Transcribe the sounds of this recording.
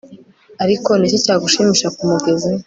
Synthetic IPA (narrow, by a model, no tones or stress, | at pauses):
aɾiko̞niːcocaːɡuʃiːmiʃakumuɡe̞zi